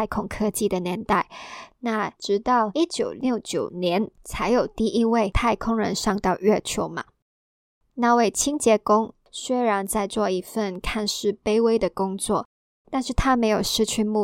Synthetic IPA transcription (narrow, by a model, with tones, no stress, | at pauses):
ɪkʰʊ˨˩ŋkʰɤ˥t͡ɕi˥˩d̪ə˩njɛ˧˥nt̪a˥˩ɪna˥˩ʈ͡ʂɻ̩˧˥t̪ɑ˥˩ʊi˦˥t͡ɕjo˨˩ʊljo˥˩ʊt͡ɕjo˨˩ʊnjɛ˧˦nt͡sʰa˧˥ɪjo˨˩ʊt̪i˥˧ʔi˥we˥˧ɪt̪ʰa˥˩ɪkʰʊ˥ŋɻə˧˥nʂɑ˥˧ŋt̪ɑ˥˧ʊɥɛ˥˧t͡ɕʰjo˥˩ʊmɐ̰˨˩ | na˥˧we˥˩ɪt͡ɕʰi˥ŋt͡ɕjɛ˧˥kʊ˥ŋ | swe˥ɻa˧˥nt͡sa˥˧ɪt͡swɔ˥˩i˧˥fə˥˩nkʰa˥˧nʂɻ̩˥pe˥ɪwe˥ɪd̪ə˨kʊ˥ŋt͡swɔ̰˥˩ | t̪a˥˧nʂɻ̩˥˩t̪ʰa˥me˧˥ɪjo˨˩ʊʂɻ̩˥˧t͡ɕʰy˥˧mu˥˨